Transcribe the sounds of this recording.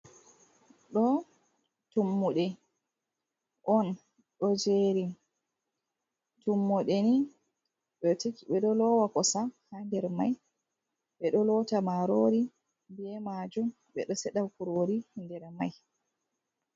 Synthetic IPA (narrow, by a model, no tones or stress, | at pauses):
ɗɔ | tumːuɗɛ | ʔɔn | ɗɔd͡ʒeɾi | tumːɔɗeni | ɓɛtɓɛɗɔlɔwakɔsahandɛɾmaj | ɓɛɗɔlɔtamaɾoɾi | biɛmad͡ʒum | ɓɛ̰ɗɔsɛɗawkuɾoɾindɛɾmaj